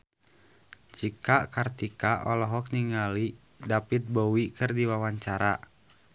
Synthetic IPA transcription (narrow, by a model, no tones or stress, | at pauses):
d͡ʒikakart̪ikaʔɔlɔɦɔk̚niŋali | dapit̪̚bɔwikɨrdiwawaɲt͡ʃaɾa